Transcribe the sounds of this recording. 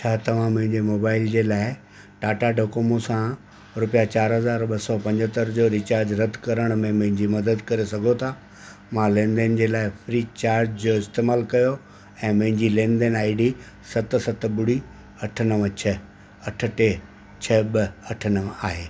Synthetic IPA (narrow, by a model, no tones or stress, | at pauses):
t͡ɕʰaːt̪ɐʋ̤ãmʊ̃ɦɪ̃ɲd͡ʑemoːbaːɪld͡ʑeːlaːɪ | ʈaːʈaɖʱokoːmosã | ɾʊpijat͡ɕaːɾɦɐzaːɾɓɐsɔpɐ̃ɲd͡ʑət̪əɾd͡ʑoːɾit͡ɕaːɾd͡ʑɾɐt̪kɐɾəɽ̃mẽmʊ̃ɦɪ̃ɲd͡ʑimɐd̪əd̪kɐɾesɐɡʱot̪ʰaː | mãlẽːnd̪ənd͡ʑeːlaːɪfɾiːt͡ɕaːɾd͡ʑd͡ʑoɪst̪eːmaːlkɐjo | ɛ̃ːmʊ̃ɦɪ̃ɲd͡ʑilẽːnd̪ənaːɪɖi | sɐt̪sɐt̪ɓʊɽi | ɐʈʰənəʋə̃t͡ɕʰɐ | ɐʈʰə̆ʈe | t͡ɕʰɐɓɐɐʈʰənəʋaːɦeː